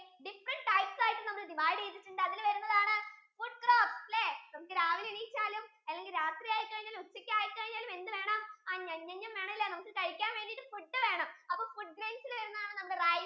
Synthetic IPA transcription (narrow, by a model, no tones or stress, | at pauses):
ɖifrɐɳʈʈɐjʈsaːjʈːɨnɐmːɐkːɨd̪iʋaːɻɽieːt̪̬ːit͡ɕːuɳɖɨɐðilʋɐɾunːɐðaːɳɨfuɖ̚kroːpsleːnɐmukːɨɾaːʋilinit͡ɕːaːlum | ɐlːe̞ŋɡilɾaːt̪rijaːjikːɐɻiɲːaːlut͡ɕːɐkʲːaːjikːkɐɻiɲːaːlume̞nd̪ɨʋe̞ːɳɐmaːɲɐɲːɐɲːɐmʋe̞ːɳɐmɐlːenɐmukːɨkɐɻikʲːaːnʋe̞ːɳɖijʈːɨfuʈːɨʋe̞ːɳɐmɐpːoːfuɖ̚ɡɾeːnsilʋɐɾunːɐðaːɳɨnɐmːɐkːɨraːj